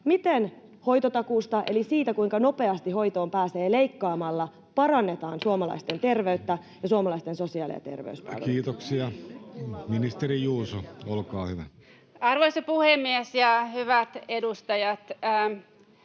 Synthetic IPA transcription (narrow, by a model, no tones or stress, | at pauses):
mit̪en | ho̞jt̪ot̪ɑkuːst̪ɑʔe̞̰lisiːt̪ækujŋkɑno̞pe̞ɑst̪iho̞jt̪o̞ːmpæːse̞ːlejkːɑːmɑlːɑ | pɑɾɑnːe̞t̪ɑːnsuomɑlɑ̰ist̪e̞nt̪e̞rʋe̞yt̪ːæ | jɑsuomɑlɑist̪e̞nso̞siɑːlḭɑ̰t̪e̞̰rʋḛyspɑ̰lkːiːt̪oksiɑ | minist̪erijuːsoolkɑːhyʋæ̰ | ɑrʋoisɑpuhemːiesjɑhyʋæt̪edust̪ɑjɑt̪ː